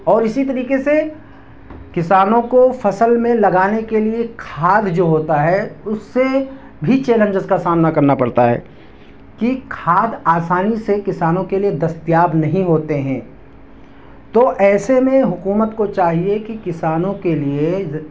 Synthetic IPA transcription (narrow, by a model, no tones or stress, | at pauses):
ɔːɾɪsit̪ɐɾiːkese | kɪsaːnõkofɐsəlmẽlɐɡaːnekeliekʰaːd̪ʱd͡ʒoːɦoːt̪aɦɛʊsːe | bʱit͡ʃeːlə̃nd͡ʒəzkasaːmnakɐɾnapɐɽt̪aɦɛ̰ː | kikʰaːd̪aːsaːnisekɪsaːnõkelied̪ɐst̪jaːbnɐɦĩɦoːt̪eɦɛ̃ː | t̪oʔɛːsemẽɦʊkuːmət̪kot͡ʃaːɦiekikɪsaːnõkelie